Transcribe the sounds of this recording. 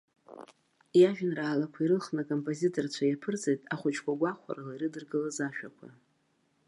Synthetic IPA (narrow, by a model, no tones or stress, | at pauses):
jaʒᶣanraːlakʷʰaiɾɨlχnakʼo̞mpʼo̞zitʰʼo̞rt͡ɕʷʰajapʰɨrt͡sʼejtʼaχʷʊt͡ʃʰkʷʰaɡʷaχʷʰa̰ralaiɾɨdɨrɡɨlazaʃᶣakʷʰa̰